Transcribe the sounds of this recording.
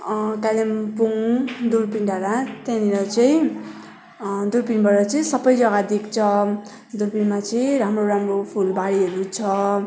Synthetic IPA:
kalempuŋd̪urpinɖaɾat̪jãniɾʌt͡sʌĩ | d̪urpinbʌɾʌt͡sʌĩsʌbʌjd͡zʌɡad̪ikt͡sʰʌ | d̪urpinmat͡sʌĩɾamroɾamropʰulbaɽiɦʌɾut͡sʰʌ

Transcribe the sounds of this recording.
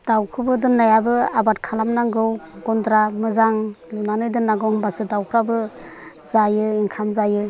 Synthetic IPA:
d̥awkʰɯbɯdɯnːajabɯabat̚kʰalamnaŋɡɯwɡɔndɾamɯzaŋ | lunanɯjdɯnːaɡɯŋbasɯdawkʰɾabɯ | zajɯiŋkʰamzajɯ

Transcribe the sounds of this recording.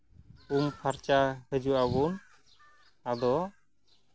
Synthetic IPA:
umpʰaɾt͡ʃahəd͡ʒuʔabun | ad̪ɔ

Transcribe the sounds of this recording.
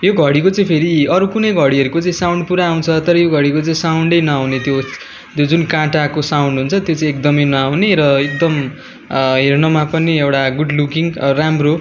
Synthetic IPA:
joɡʱʌɽikot͡saĩpʰeɾiʌɾukunʌjɡʱʌɽiʌɾukot͡saĩsaw̃ɳɖpuɾaːw̃t͡sʰʌt̪ʌɾʌjoɡʱʌɽikot͡sãĩsawɳɖʌjnʌawnet̪jo | t̪jod͡zunkãʈakosawɳɖɦunt͡sʰʌt̪jot͡saĩek̚d̪ʌmʌjnʌawneɾʌek̚d̪ʌm | ɦernʌmapʌneewʈaɡuɖlukiŋramro

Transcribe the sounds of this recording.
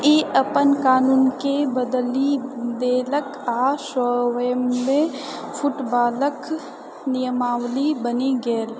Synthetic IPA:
eːʔəpənkaːnuːnkebəd̪lid̪eːlək | aːʃɔːwəjmmẽ | pʰʊʈbaːlək | nijəmaːwlibəniɡəːl

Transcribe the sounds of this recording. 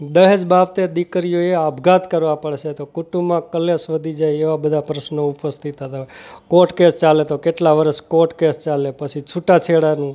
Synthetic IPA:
d̪əɦed͡ʒbaʋt̪ed̪ikəɾijoeabʱɡat̪kəɾʋãpəɽʃet̪okuʈũmãkəlesʋəd̪ʱid͡ʒajeʋabəd̪ʱapɾəʃnoupəst̪it̪ɦət̪akoʈkest͡ʃalet̪okeʈlaʋəɾəʃkoʈkest͡ʃalepət͡ʃʰit͡ʃʰuʈat͡ʃʰeɽanũ

